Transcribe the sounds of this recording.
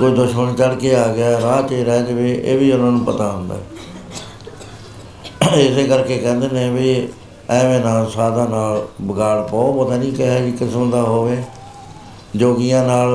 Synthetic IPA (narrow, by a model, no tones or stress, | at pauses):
koiːd̪ʊʃməɳt͡ʃəɽkeːaːɡɪaːɛɾaːt͡ʃeːɾɛːd͡ʒʋeːʔḛːbiːʊnãːnũːpət̪aːɦʊ̃nd̪a̰ːɛ | ɪseːkəɾkeːkɛ̃ːnd̪eːnẽbiː | ɛ̃ːʋẽːnãːnsaːd̪ãːnaːlbəɡaːɽpaːopət̪aːnĩːkɪɦaːd͡ʒiːkɪsmd̪aːɦoːʋeː | d͡ʒoːɡijãːnaːl